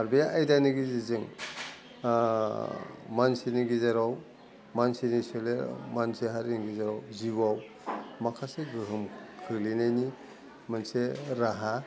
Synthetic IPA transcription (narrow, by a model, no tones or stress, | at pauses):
haɾbejaʔajdaniɡiziziŋ | mansiniɡizaɾaw | mansinisɯlemanseɦaɾiniɡizaɾawziwaw | makʰaseɡɯɦɯmkʰɯlinajni | manseɾaɦa